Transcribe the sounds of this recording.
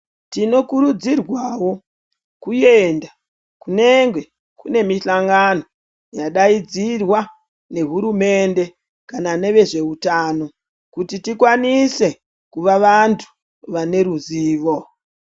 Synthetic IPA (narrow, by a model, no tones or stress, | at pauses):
tino̞kuɾud͡zirwaːwo̞ | kuje̞nda | kune̞ŋɡwe̞ | kune̞miɬaŋɡano̞ | jaɗaid͡zirwa | ne̞ɦuɾume̞nde̞ | kanane̞ʋe̞ʐe̞utaːno̞ | kutitikwanise̞ | kuʋaʋantʰu̥ | ʋane̞ɾuziːʋo̞